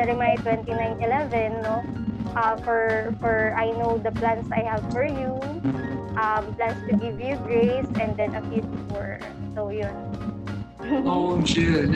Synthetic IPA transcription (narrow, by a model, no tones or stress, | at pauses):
ɛɾɪmaɪt̪wɛ̃nt̪inãj̃nt̪ɪlɛvɛ̃nːo | ʔafɔɹfɔɹʔajnowd̪ɐplãnsajhav̥fɔɹju | ʔɐmplãnst̪ʊɡɪvjuɡɹejsɛ̃nd̪ɛ̃nɐfjut̪̚fuɹ | sowjʊn | oamʃʊ